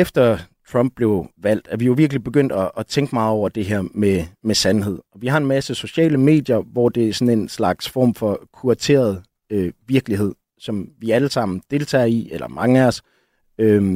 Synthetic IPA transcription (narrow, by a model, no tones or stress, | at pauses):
efd̥ɐt͡sʰʁɒ̽m̰b̥̚le̝ʊʋæl̰d̥æɐʋijo̝ʋiɐɡ̥lib̥e̝ɡ̥øn̰d̥ɒʔːt͡sʰeŋɡ̥mɑ̈ːð̩ˠɒʊ̰ɐd̥e̝ɦæɐ̰memesænɦe̝ð̞̰ˠɒ̽ʋihɑ̈e̝nmæsəso̝ɕɛ̰ːləme̝̰ːd̥jɐʋɒd̥e̝æɐsɒ̽ne̝nslɑ̈ɡ̥sfɒ̰ːmfɒ̽kʰuɐt͡sʰe̝̰ːɐð̞̩ˠ | øʋiɐɡ̥liɦe̝ð̰ˠ | sɒ̽mʋiæləsɑ̈m̰n̩d̥e̝lt͡sʰɛ̰ːɐielɐ̰mʔɑ̈ŋæɒs | ø